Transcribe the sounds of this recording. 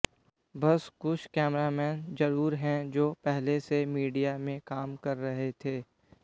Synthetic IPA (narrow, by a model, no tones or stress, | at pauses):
bɐskʊʃkɛːmɾamɛːnd͡ʒɐɾuːɾɦɛ̃d͡ʒoːpɛɦlesemiːɖijamẽkaːmkɐɾːɐɦet̪ʰeː